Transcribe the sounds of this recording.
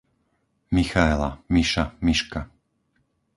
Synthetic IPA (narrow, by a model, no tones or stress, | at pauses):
mixaɛla̰miʃamiʃka